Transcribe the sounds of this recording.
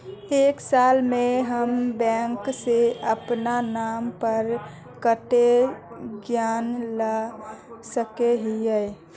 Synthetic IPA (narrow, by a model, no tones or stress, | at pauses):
eːksaːlmeɦəmbɛ̃ŋkseəpnanaːmpəɾ | kəʈe | ɡjaːnla | səkeɦijɛ